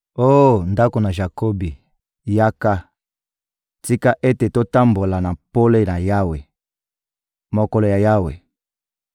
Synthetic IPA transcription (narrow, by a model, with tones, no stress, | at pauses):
o˦˨nda˦ko˨na˨ʒa˨ko˦bi˨ | ja˦ka˦ | ti˦ka˦ʔe˦te˨to˦ta˦mbo˨la˨na˨po˦le˦na˨ja˦we˨ | mo˨kɔ˨lo˨ja˨ja˦wḛ˨